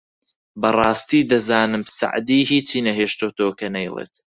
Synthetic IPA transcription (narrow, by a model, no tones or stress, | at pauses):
bɐrˤɑːst̪iːd̪ɐzaːnɨmsa̰ʕd̪iːhiːt͡ʃiːnɐɦeːʃt̪oːt̪oːkɐnɐjlˠḛːt̪